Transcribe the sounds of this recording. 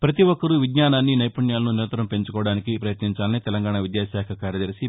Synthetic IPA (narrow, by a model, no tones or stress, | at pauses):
pɾɐt̪iʋɔkːɐɾuʋid̪ɲaːnaːnːinɐjpɐɳjaːlɐnuniɾɐnt̪ɐɾɐmpe̞ɲt͡ʃukɔːʋɐɽaːnikipɾɐjɐt̪niɲt͡ʃaːlɐnit̪ɛlɐŋɡaːɳaʋid̪jaːsaːkʰɐkaːɾjɐd̪ɐɾisi